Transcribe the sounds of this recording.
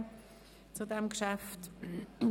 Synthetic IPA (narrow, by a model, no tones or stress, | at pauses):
t͡sudɛmkʃæft